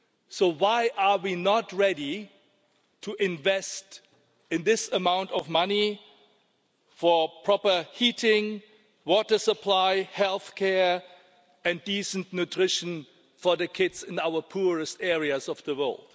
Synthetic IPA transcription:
soʊwaɪʔawinɔtɹɛɾi | tʰuʔɪ̃nvɛst | ɪ̃nðɪsəmãʊ̃ntɔvmani | fɔpʰɹ̥ɔpə˞hitɪ̃ŋ | wɔtə˞səpʰl̥aɪhɛlˠθkʰɛɹ | ɨ̃ndisəntnutʰɹ̥ɪʃə̃n | fɔ˞ðəkʰɪdzɪ̃naʊə˞pʰuɹɨstɛɹiəzɔvðəwɜ̰˞lˠd̥

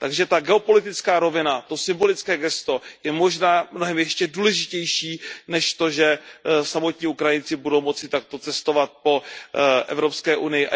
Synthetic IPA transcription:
t̪aɡʒɛt̪aɡɛo̞po̞lɪt̪ɪt͡skaːɾo̞vɪnat̪o̞sɪmbo̞lɪt͡skɛːɡɛst̪o̞jɛmo̞ʒnaːmnoɦɛmjɛʃcɛduːlɛʒɪcɛjʃiːnɛʃt̪o̞ʒɛsamo̞t̪ɲiːukɾajɪnt͡sɪbudo̞wmo̞t͡sɪt̪ak̚t̪o̞t͡sɛst̪o̞vat̪̚po̞ʔɛ̰vɾo̞pskɛːʔunɪjɪʔ

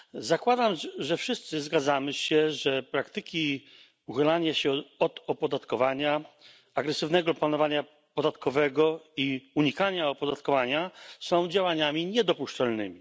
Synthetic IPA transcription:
zakwad̪amʐɛfʂɘst̪sɘzɡad̪zamɘɕɛʐɛpɾakt̪ɘkʲi | uxɘlaɲaɕɛɔd̪ɔpɔd̪at̪kɔvaɲa | aɡɾɛsɘvnɛɡɔplanɔvaɲa | pɔd̪at̪kʰɔvɛɡɔiuɲikaɲaɔpɔd̪at̪kɔvaɲasɔ̃w̃d͡ʑawaɲamʲiɲɛd̪ɔpuʂt͡ʂalnɘ̰mʲi

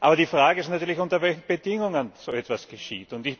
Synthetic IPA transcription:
ʔaːbɐdiːfʁaːɡəɪstnatyːɐlɪçʊntɐvɛlçn̩bədɪŋʊŋənz̥oɛtv̥asɡ̥əʃḭːtʊntɪç

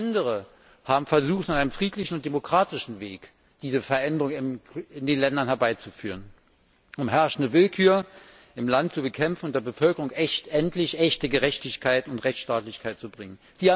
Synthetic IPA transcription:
ndəʁ̞ə | haːbm̩fɛɐzuːχtnanaɪnəmfʁ̥iːtlɪçn̩ʊntd̥emokʁ̥aːtɪʃn̩veːk | d̥iːzəfɛɐʔɛndəʁʊŋɪmɪndeːnlɛndɐnhɛɐbaɪt͡sufyːʁ̞ən | ʔʊmɦɛɐʃn̩dəvɪlkʰyːɐ | ʔɪmlantt͡subəkʰɛmfn̩ʊntd̥eːɐbəfœlkəʁʊŋʔɛtʔɛntlɪçʔɛçtəɡəʁɛçtɪçkʰaɪtʊntʁɛçt͡ssʃtaːtlɪçkʰaɪt̚t͡subʁɪŋən | z̥iːaː

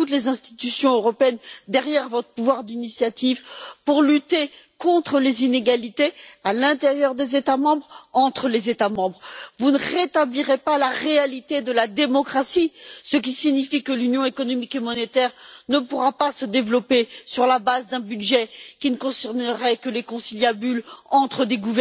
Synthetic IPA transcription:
tut̪̬lezɛ̃st̪i̥t̪ysjɔ̃øʁɔpeɛnd̪ɛʁjɛʁvɔt̪χə̥puvwaʁd̪inisjat̪ivpuʁlyt̪ekɔ̃t̪χəlezineɡalit̪ealɛ̃t̪eʁjœʁd̪ezet̪amɑ̃bʁɑ̃t̪χəlezet̪amɑ̃bʁvunəʁet̪abliʁepalaʁealit̪ed̪əlad̪emɔkχasisək̬ʲisiɲifikəlynjɔ̃ekɔnɔmikemɔnet̪ɛʁnəpuʁapasəd̪evlɔpesyʁlabazd̪ɛ̃byd̪ʒɛkʲinəkɔ̃sɛʁnəʁɛkəlekɔ̃siljabylɑ̃t̪χəd̪eɡuvɛ

